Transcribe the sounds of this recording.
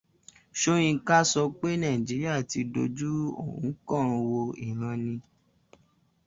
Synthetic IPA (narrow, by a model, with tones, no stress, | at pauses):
ʃo˧ɾ̃ĩ˧˦ka˦sɔ˧k͡pe˦nã˦˨d͡ʒi˨˦ɾi˦a˦˨ti˧do˧d͡ʒu˦o̰˦˨ṵ̃˨˦kɔ̃˦˨ɾ̃ũ˧wo˧i˨ɾ̃ã˧nĩ˧